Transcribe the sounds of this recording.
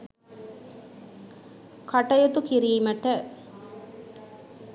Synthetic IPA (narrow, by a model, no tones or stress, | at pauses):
kʰɐʈɐjut̪ukiɾiːməʈə